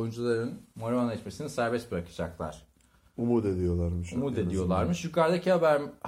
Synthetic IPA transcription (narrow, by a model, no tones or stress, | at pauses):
jund͡ʒulˠaɾɯnmoɾmanɛt͡ʃme̞sinisæɾbɛsbɾakʰɯ̥d͡ʒaklˠa̰ɾ̝̥ | umuɾd̪ed̪ijo̞lˠaɾmɯʃumud̪e̞d̪ijo̞lˠaɾmɯʃjykaɾd̪acʰiɦabæɾmh